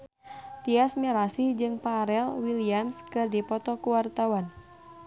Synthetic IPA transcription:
t̪iasmiɾasihd͡ʒɨŋpaɾɛlwiliamskɨrdipɔt̪ɔkuwart̪awan

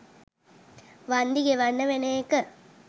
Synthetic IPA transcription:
ʋand̪iɡeʋanːəʋenekə

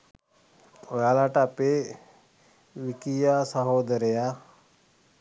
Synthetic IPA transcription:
ojalaʈape | ʋikijasɐɦoːd̪ɐɾeja

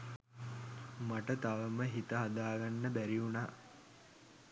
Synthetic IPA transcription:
maʈət̪aʋəməɦit̪əɦad̪aːɡanːəbæɾiunaː

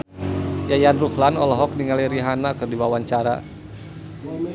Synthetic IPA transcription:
jajanruhlanɔlɔɦɔk̚niŋaliɾiɦanakɨrdiwawaɲt͡ʃaɾa̰

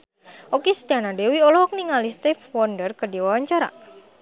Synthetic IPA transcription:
ʔokest̪eanadewiɔlɔɦɔk̚niŋalist̪ɛfwɔndərkədiwawaɲt͡ʃaɾa̰

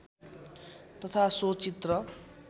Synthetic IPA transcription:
t̪ʌt̪ʰasot͡sit̪rʌ

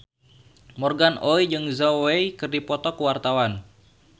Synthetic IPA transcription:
mɔrɡanʔoid͡ʒɨŋzowejkɨrdipɔt̪ɔkuwart̪awan

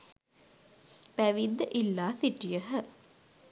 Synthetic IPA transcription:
pæʋid̪ːəʔilːaːsiʈijəɦə

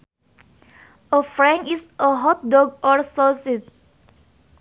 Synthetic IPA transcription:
əfɹɛ̃nisʔəɦɔt̚dɔɡɔɹsɔsis

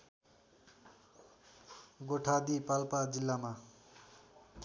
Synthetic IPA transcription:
ɡoʈʰad̪ipalpad͡zilːama

